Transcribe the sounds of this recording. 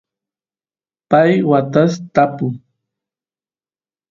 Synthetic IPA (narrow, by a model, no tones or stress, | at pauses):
pajwat̪ast̪apʊŋ